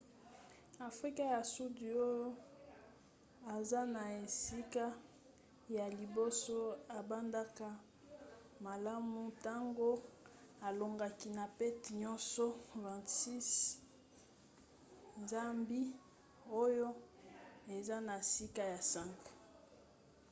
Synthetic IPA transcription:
a˨fʁi˦ka˦ja˨su˦di˨o˦jo˦ | a˨za˦na˨e˨si˦ka˦ | ja˨li˨bo˦so˦a˨ba˦nda˦ka˦ | ma˨la˦mu˦ta˦ŋɡo˦ | a˨lo˨ŋɡa˨ki˨na˨pɛ˦ti˨ɲɔ˦nsɔ˦vɛ̃˨ntsi˦s | nza˦mbi˦ | o˦jo˦ | e˨za˦na˨si˦ka˦ja˨sa˦ŋɡo̥˨

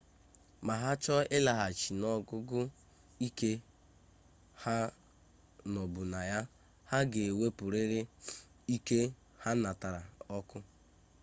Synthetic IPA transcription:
ma˨ɦa˦t͡ʃɔ˦ɪ˦la˨ɦa˨t͡ʃi˨nɔ˦ɡʊ˦ɡʊ˦ | i˦ke˦ | ha˦ | nɔ˨bʊ˨na˨ja˦ | ha˦ɡe˨e˨we˦pʊ˨ɾe˦ɾɪ˦ | i˦ke˦ | ha˦na˨ta˨ɾa˨ɔ˦kʊ˦

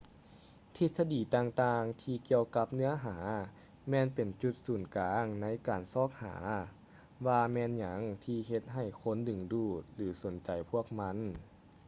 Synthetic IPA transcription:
t̪ʰi˧t̪̚sa˧diː˨˩t̪aː˧ŋt̪aː˧ŋt̪ʰiː˧ki˧əwka˧˥p̚nɯ˧˥ɐɦaː˩˦ | mɛː˧npe˨˩nt͡ɕu˧˥t̪̚suː˨˩nkaː˨˧˦ŋna˧˥jkaː˨˩nsɔː˧˥˩k̚ha̰ː˩˦ | waː˧mɛː˧nɲa˨˩˦ŋt̪ʰiː˧ɦe˧t̪̚ɦa˧˩jkʰo˧˥˨ndɯ˨˩ŋduː˧˩t̪̚lɯː˩˦so˨˦nt͡ɕa˨˩jpʰu˧˥˩ək̚ma˧˥˨n

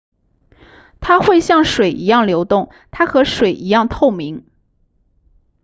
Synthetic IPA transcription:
t̪ʰa˥xwe˥˧ɪɕjɑ˥˩ŋʂwe˨˩ɪʔi˧˥jɑ˥˩ŋljo˧˥ʊt̪ʊ˥˩ŋ | t̪ʰa˥xɤ˧˥ʂwe˨˩ɪʔi˧˥jɑ˥˧ŋt̪ʰo˥˩ʊmi˧˥ŋ

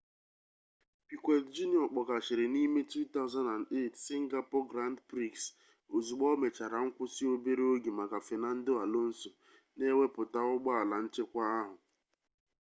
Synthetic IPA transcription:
pi˨kʷe˨td͡ʒu˦ni˨ɔ˨k͡pɔ˨ka˨ʃɪ˨ɾɪ˨ni˦me˦tu˦t̪a˦ʊ˦za˦nda˨nde˦˨tsi˦ŋ̩˦ɡa˦po˦ɡɾa˦n˦dpɾi˦ks | o˨zu˨ɡ͡bɔ˦me˨t͡ʃa˨ɾa˨ŋ̩˦kʷʊ˦si˦o˦be˦ɾe˦o˦ɡi˨ma˨ɡa˨fe˨na˦n̩˦do˦a˨lo˦n̩˦so˨ | ne˦we˦pʊ˨ta˦ʊ˦ɡ͡bɔ˦a˨la˨n̩˦t͡ʃe˦kʷa˦a˦ɦʊ˨

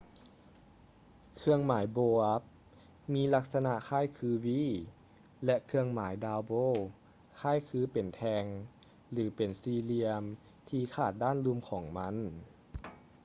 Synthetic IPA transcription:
kʰɯ˧əŋmaː˩˦jboː˧ʔa˦˥p̚ | miː˧˥la˧˥k̚sa˧na˧ʔkʰaː˥˩˨jkʰɯː˧wiː˧˥˨ | lɛ˧ʔkʰɯ˧əŋmaː˩˦jdaː˧wboː˧˥˩ | kʰaː˥˩˨jkʰɯː˧˦pe˨˩nt̪ʰɛː˧ŋ | lɯː˩˦pe˨˩nsiː˧li˧əm | t̪ʰiː˧kʰaː˧˩t̪̚daː˥˨nlu˧˥˨mkʰɔː˩˦ŋma˧˥˨n

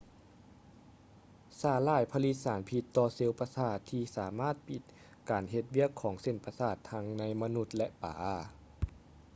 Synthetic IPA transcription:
saː˧˩laː˧˩˨jpʰa˧li˧t̪̚saː˩˦npʰi˧t̪ːɔː˧se˧wpa˧saː˧˩t̪ʰːiː˧saː˨˩˦maː˥˩˨t̪̚pi˧˦t̪̚ | kaː˨nɦe˧t̪̚wi˥˩əkʰːɔː˩˦ŋse˧˩˨npa˧saː˧˩t̪ʰːa˧˥ŋna˧˥jma˧nu˧˥t̪̚lɛ˧ʔpa̰ː˨˦

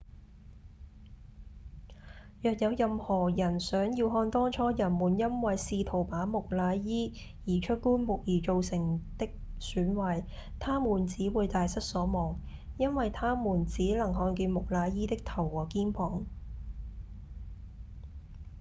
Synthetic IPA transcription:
jœː˨k̚jɐ˨˧wjɐ˨mhɔː˨˩jɐ˨˩nsœː˨˥ŋjiː˧wɦɔː˧nt̪ɔː˥ŋt͡ʃʰɔː˨˥jɐ˨˩nmuː˨˩njɐ˥nwɐ˨jsiː˧t̪ʰo˨˩wpaː˨˥mʊ˨k̚laː˨˧jjiː˥ | jiː˨˩t͡ʃʰɵ˥t̚kuː˥nmʊ˨k̚jiː˨˩t͡ʃo˨wsɪ˨˩ŋt̪ɪ˥k̚syː˨˥nwɐː˨˧j | t̪ʰaː˥muː˨˩nt͡siː˨˥wuː˨˧jt̪aː˨jsɐ˥t̚sɔː˨˥mɔː˨˩ŋ | jɐ˥nwɐ˨jt̪ʰaː˥muː˨˩nt͡siː˨˥lɐ˨˩ŋɦɔː˧nkiː˧nmʊ˨k̚laː˨˧jjiː˥t̪ɪ˥k̚t̪ʰɐ˨˩wːɔː˨˩kiː˥npʰɔː˨˩ŋ

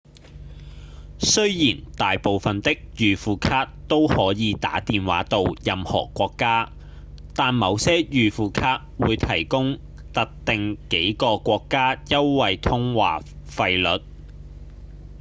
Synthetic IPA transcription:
sɵ˥ɥjiː˨˩nt̪aː˨jpo˨wfɐ˨nt̪ɪ˥k̚jyː˨˩fuː˨kʰaː˧t̚t̪o˥whɔː˨˥jiː˨˧t̪a̰ː˨˥t̪iː˨nwa̰ː˨˥t̪o˨˧wjɐ˨mhɔ̰ː˨˩kʷɔː˧kːaː˥ | t̪aː˨nmɐ˨˧wsɛː˥jyː˨fuː˨˩kʰaː˧t̚wuː˨˧jt̪ʰɐ˨˩jkʊ˥ŋ | t̪ɐ˥k̚t̪ɪ˨ŋke˨˥jkɔː˧kʷɔː˧kːaː˥jɐ˥wwɐ˨jt̪ʰʊ˥ŋwa̰ː˨˩fɐ˧jlɵ˨˥t̚

